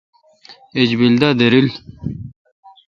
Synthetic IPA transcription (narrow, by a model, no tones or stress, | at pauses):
ed͡ʑbild̪ad̪eɾil